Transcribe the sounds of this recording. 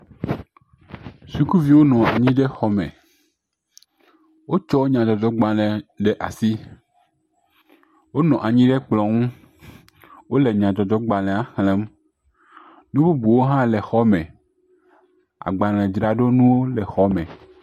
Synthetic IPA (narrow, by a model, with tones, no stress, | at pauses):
su˦ku˦vi˦wo˦nɔ̃˨a˨ɲĩ˦ɖɛ˦xɔ˦mɛ̰̃˨ | wo˦t͡ʃɔ˦wo˦ɲã˨d͡ʒ̪ɔ˨dɔ˨˦ɡ͡ba˨lɛ̃˨ɖɛ˦ʔa˨si˦ | wo˦nɔ̃˨ʔa˨ɲĩ˦ɖɛ˦k͡plɔ̃˨ŋũ˦ | wo˦lɛ˨ɲã˨d͡ʒ̪ɔ˨d̪ɔ˦ɡ͡ba˨l̃ɛ̃˨a˦xlɛ̃˨˦m | nũ˦bu˦bu˨wo˦ɦã˦lɛ˨xɔ˦mɛ̃˨ | a̰˨ɡ͡ba˨l̃ɛ̃˨d͡ʒɾa˨ɖo˦nũ˦wo˦lɛ˨xɔ˦mɛ̃˨